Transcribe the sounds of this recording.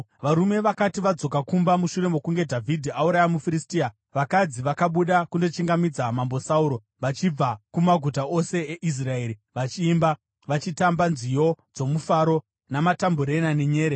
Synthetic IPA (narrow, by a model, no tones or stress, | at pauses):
ʋaɾume̞ʋakatiʋad͡zo̞kakumbamuʃuɾe̞mo̞kuŋɡe̞dʱavʱidʱiauɾajamufiɾistia | ʋakad͡ziʋakaɓuɗakundo̞t͡ʃiŋɡamid͡zamambo̞sauɾo̞ | ʋat͡ʃib͡vakumaɡʱut̬ao̞se̞eʔis̬rae̞ːɾiʋat͡ʃiːmba | ʋat͡ʃitambanzijo̞d͡zo̞mufaɾo̞ | namatamboɾenaneɲe̞ːɾe